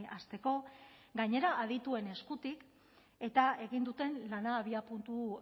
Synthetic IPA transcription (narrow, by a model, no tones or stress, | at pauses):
ast̪e̞ko̞ɡaɲe̞ɾaːð̞it̪ue̞ne̞skut̪ik | e̞t̪ae̞ɣind̪ut̪e̞nlanaːβiapunt̪u